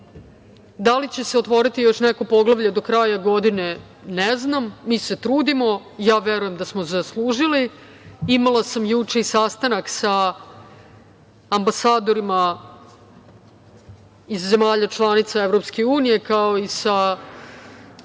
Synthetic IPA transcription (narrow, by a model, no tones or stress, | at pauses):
d̪alit͡ɕe̞se̞ot̪ʋo̞ɾit̪ijo̞ʃneko̞po̞ɡlˠaʋʎad̪o̞kɾaːjaɡo̞d̪ine̞ | neznamːiːset̪ɾuːd̪imo̞ | jaːʋeɾuje̞md̪asmozaslˠuːʒili | imalasamjut͡ʂeisast̪anaksa | mbasaːd̪o̞ɾima | izːe̞maːʎat͡ʃlˠanit̪saevɾopske̞uːnije̞kao̞isa